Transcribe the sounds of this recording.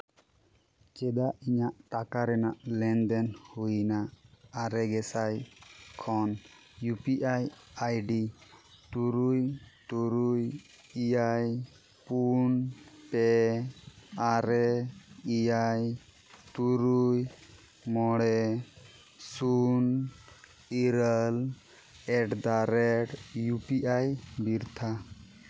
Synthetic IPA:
t͡ʃɛd̪aʔiɲaʔʈakaɾɛnaʔlɛnd̪ɛnhujnaːɾɛɡɛsajkʰɔn | jupiʔajajɖit̪uɾujt̪uɾuj | ijaj | punpɛ | aɾɛijaj | t̪uɾuj | mɔɽɛ | sun | iɾəl | ɛʈd̪aɾɛʈjupiʔajbiɾt̪ʰa

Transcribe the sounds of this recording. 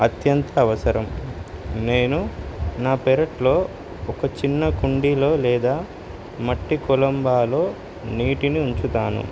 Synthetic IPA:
ɐt̪jɐnt̪ɐːʋɐsɐɾɐm | ne̞ːnunaːpɛɾɐʈlo̞ː | ɔkɐt͡ʃinːɐkuɳɖilo̞ːlɛːd̪aː | mɐʈːikulɐmbaːloː | niːʈiniuɲt͡ʃut̪aːnṵ

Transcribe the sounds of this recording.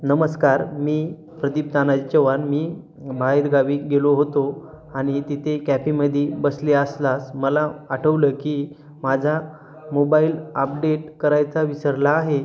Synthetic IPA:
nəməskaɾmiː | pɾəd̪ip̚t̪anat͡ɕeʋanmiː | bʱaeɾɡaʋiːɡeloɦot̪o | aɽ̃it̪it̪ʰekæpiməd̪ʱebəsleəslasməlaːʈʰəʋləːkiː | mad͡zʱa | mobaiːlə̰p̚ɖeʈ̚kəɾajt͡saʋisəɾlaːɦe

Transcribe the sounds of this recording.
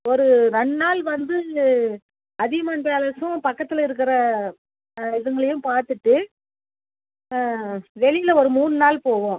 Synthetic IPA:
ɔɾɯɾɛɳnaːlʋɐnd̪ɯ | ɐðɪɣɐmɐnbeːlɐsʊ̃pɐkːɐt̪ːɪlɪɾɯk̬ːɪɾɐ | ɪðɐŋɡɐɭɐjʊ̃paːɾt̪ɯʈːɯ | ʋɛɭɪjɪlɐɔɾɯmuːnɯnaːlpoːʋõː

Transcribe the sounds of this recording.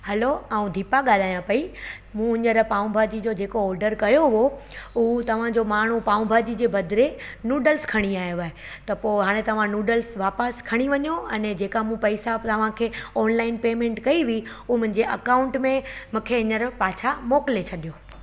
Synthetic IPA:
hɐloaːũd̪ʱiːpaɠaːl̤aːjãpɐi | mũɪɲəɾpaːũbʱaːd͡ʑid͡ʑod͡ʑeːkoɔːɾɖəɾkɐjoʊɦoʊɦt̪ɐʋ̤ãd͡ʑomaːɳ̤upaːũbʱaːd͡ʑid͡ʑeːbʱɐd̪ɾenuːɖəlskʰɐɽ̃iaːjoaːɦe | t̪ɐpoːɦaːɽ̃ẽt̪ɐʋ̤ãnuːɖəlsʋaːpəskʰɐɽ̃iʋɐɲoɐnɛd͡ʑeːkamũpɐɪsat̪ɐʋ̤ãkʰeːɔːnlaːɪnpeːmẽɳʈkɐiʋi | ʊumʊ̃ɦɪ̃ɲ̆d͡ʑeʔɐkaːʊ̃ɳʈmẽmũːkʰeɪɲəɾpaːt͡ɕʰamɔːkɪlet͡ɕʰɐɗijoː

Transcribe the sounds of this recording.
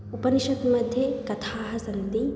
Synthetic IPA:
upɐniʃɐk̪mɐd̪ʱjekɐt̪ʰaːɦɐsɐnd̪i

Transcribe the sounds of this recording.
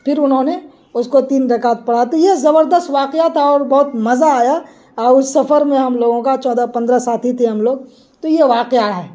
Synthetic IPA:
pʰɪɾʊnɦõne | ʊskot̪iːnɾɐkaːt̪̚pɐɽ̤at̪ojezɐbəɾd̪əst̪ʋaːqɪjat̪ʰaɔːɾbɐɦʊt̪mɐzaːjaː | ʊsɐfəɾmẽɦɐmloːɡõkat͡ʃɔːd̪apɐ̃nd̪ɾasaːt̪ʰit̪ʰeɦɐmloːɡ̚ | t̪ojeʋaːqeaɦɛː

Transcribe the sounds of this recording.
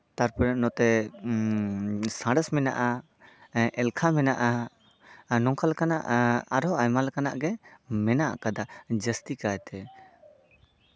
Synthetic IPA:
t̪aɾpɔɾaʔnɔt̪ɛ | sãɽəsmɛnaʔa | ʔɛlkʰamɛnaʔa | nɔ̃ŋkalkanaʔaɾɔajmalkana̰ʔɡɛmɛnaʔkad̪ad͡ʒəst̪ikajt̪ɛ

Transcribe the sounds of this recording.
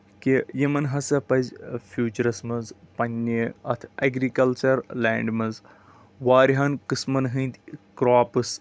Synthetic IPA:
kejimɐnɦɐsɐpɐzʲfʰjuːt͡ʃɐɾɐsmɐzpɐnʲːeɐt̪ʰɐɡɾikɐlt͡ʃɐɾlaːɳɖmɐz | ʋaːɾiɦɐnkɨsmɐnɦɨ̃nd̪ʲkɾaːpɨs

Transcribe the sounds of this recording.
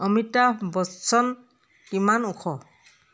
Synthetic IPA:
ɔmitabɔsɔn | kimanukʰɔ

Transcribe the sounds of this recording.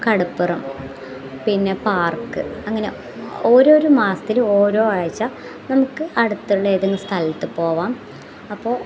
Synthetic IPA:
kɐɽupːɨrɐm | pinːe̞paːrkːɨ̰ɐŋːɐne̞̰ | o̞ːɾoːɾumaːsɐ̥t̪iloːɾo̞ːʋaːɻit͡ɕːa | nɐmukːɨʔɐɽut̪ːuɭːɐeːðeŋɡɐst̪ʰɐlɐt̪ːɨpo̞ːʋaːm | ɐpːo̞ː

